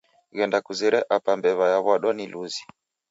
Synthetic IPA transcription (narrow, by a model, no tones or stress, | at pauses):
ɣɛndakuzɛɾɛʔapambɛβajaβwaɗɔniluzi